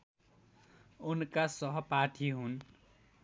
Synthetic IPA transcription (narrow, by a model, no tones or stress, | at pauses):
unkasʌɦʌparʈʰiɦun